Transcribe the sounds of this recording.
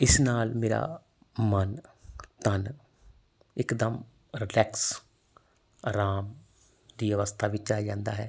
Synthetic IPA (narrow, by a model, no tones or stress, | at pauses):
ɪsnaːlmeːɾa̰ː | mənt̪ən | ɪkd̪əm | ɾɪlɛːks | ɾaːm | d̪iːəʋəst̪ʰaːʋɪt͡ʃaːd͡ʒãːnd̪a̰ːɦɛː